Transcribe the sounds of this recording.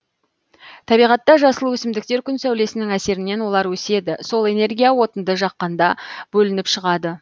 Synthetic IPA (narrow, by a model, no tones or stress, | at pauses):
t̪ʰɑbijʁɑt̪ːɑʒɑsəlˠuwɵsɪmd̪ɪk̚t̪e̞ɾkʲʰʏnsæwle̞sɪnɪŋæse̞ɾɪnːe̞nwo̞lˠɑɾwɵse̞d̪ɪso̞lˠe̞ne̞rɡʲijawo̞t̪ənd̪əʒɑqːɑnd̪ɑbɵlɪnɪpʃəʁɑd̪ə